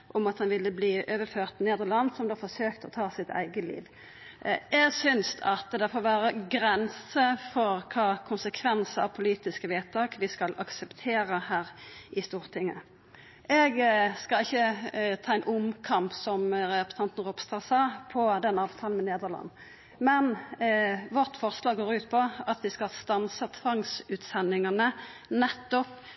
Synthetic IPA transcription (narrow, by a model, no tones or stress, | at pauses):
ʔɔmɑt̪hɑnʋɪlːəbliːʔøːʋəɾføːʁt̪neːd̪əʁlɑnːsɔmd̪oːfɔsøːkt̪əɔt̪ʰɑːsɪt̪ʰæ̰ɪɡəlḭːʋ | ʔɛɡsʏnsɑt̪d̪ɛfɔːɾʋæːɾəɡɾɛnsəfɔɾkʰɑːkʰʊnsəkʰʋɛnsəɑ̰ʋpʰʊliːt̪ɪskəʋeːt̪ʰːɑːkʋɪskɑlʔɑksɛpt̪ʰeːɾəhæːɾʔɪst̪uːʁt̪ʰɪŋːə | ɛɡskɑɪçːət̪ʰɑːɛɪnʔʊmkʰɑmpsɔmɾɛpə̥st̪ɑnt̪n̩ʁɔpst̪ɑsɑːpʰɔd̪ɛnɑːʋt̪ʰɑːln̩mɛneːd̪əʁlɑ̰nː | mɛn | ʋɔʁt̪fɔʁslɑːɡɡoːɾʉːt̪pʰɔɑt̪ʋɪskɑlst̪ɑnsət̪ʰʋɑŋsʉːt̪sɛnːɪŋɑnənɛt̪ːɔp